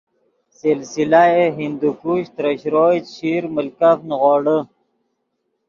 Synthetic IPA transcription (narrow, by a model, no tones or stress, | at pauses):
silsilaeɦind̪ukuɕt̪ɾəɕɾoːɕiːɾməlkafnɣoːɽə